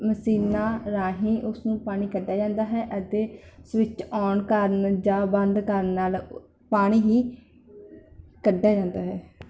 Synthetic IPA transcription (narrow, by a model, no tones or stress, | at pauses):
məsiːnaːɾaːɦĩːʔʊsnũːpaːɽ̃iːkəɖːjaːd͡ʒãːnd̪aːɦɛːʔət̪eːsʋɪt͡ʃɔːɳkəɾnd͡ʒãːbənd̪kəɾnaːl | paːɽ̃iːɦiː | kəɖːjaːd͡ʒãːnd̪aːɦɛː